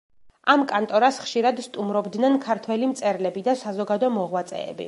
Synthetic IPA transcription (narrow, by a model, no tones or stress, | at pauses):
amkʼant̪ʼɔɾasχʃiɾad̪st̪ʼumɾɔbd̪nɛnkʰaɾt̪ʰwɛlimt̪sʼɛɾlɛbid̪asazɔɡad̪ɔmɔʁwat̪sʼɛ̰ːbḭ